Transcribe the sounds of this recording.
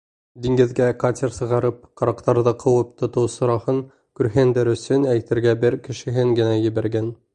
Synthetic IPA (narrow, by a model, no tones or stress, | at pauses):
d̪iŋɡɘ̆ðɡækat̪ʲeɾsɤ̆ʁɑɾɤp̚qɑ̆ɾɑqt̪ɑɾðɤqʰɤ̆wɤp̚t̪ʰŏt̪ɤwsŏɾɑhɤŋ | kʉɾɦɘnd̪ɘɾɵ̆sɵnæjt̪ɘ̆ɾɡæbɘɾkɘ̆ʃɘ̆ɦɘŋɡɘ̆næjɘ̆βæɾɡæn